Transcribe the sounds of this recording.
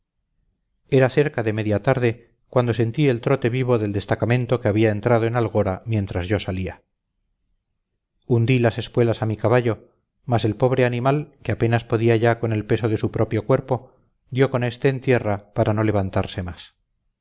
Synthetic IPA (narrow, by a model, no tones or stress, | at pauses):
e̞ɾaθe̞ɾkaðe̞me̞ðjat̪aɾðe̞ | kwand̪o̞se̞nt̪ie̞lt̪ɾo̞t̪e̞βiβ̞o̞ðeld̪e̞st̪akamẽ̞nt̪o̞keaβiae̞nt̪ɾað̞oenalɣ̞o̞ɾamje̞nt̪ɾazʝo̞salia | und̪ilase̞skwe̞lasamikaβaʎo̞ | mase̞lpo̞β̞ɾeanimalkeape̞naspo̞ðiaʝakone̞lpe̞so̞ðe̞supɾo̞pjo̞kwe̞ɾpo̞ | d̪jo̞ko̞ne̞st̪e̞ːnt̪je̞rapaɾano̞le̞βant̪a̰ɾse̞mas